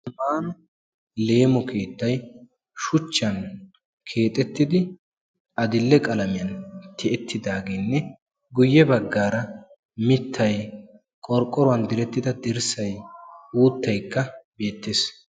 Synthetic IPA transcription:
maːn | le̞ːmɔkʰe̞ːt̪ːɐj | ʃʊt͡ʃːɐn | kʰe̞ːt̪ʼɛt̪ːɪd̪ɪ | ɐd̪ɪlːɛkʼɐlɐmɪjɐnt̪ɪɛt̪ːɪd̪aːɡeːnːɛ | ɡʊjːɛbɐɡːaːɾɐ | mɪt̪ːɐj | kʼɔɾkʼːɔɾʊwɐnd̪ɪɾɛt̪ːɪd̪ɐd̪ɪɾsɐjuːt̪ːɐjkːɐbe̞ːt̪ːeːs

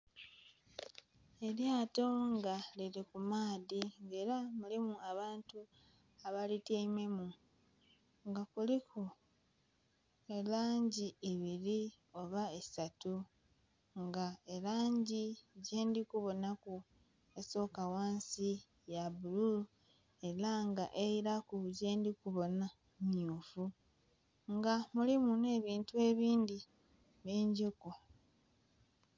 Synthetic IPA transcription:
e̞ɾjaːto̞ŋɡaliɾikumaːðiŋɡe̞ːɾamulimuaβaːntu | aβaliteime̞mu | ŋɡakulikʰu | elaːɲɟieβiɾi | o̞βaesatu | ŋɡae̞laːɲɟiɟeːndikuβo̞naku | eso̞ːkawaːnsi | jaβulul | e̞ɾaŋɡaʔeiɾakuβuze̞ːndikuβo̞na | mjuːfu | ŋɡamulimune̞ːβiːntue̞βiːndi | βeːɲɟuku

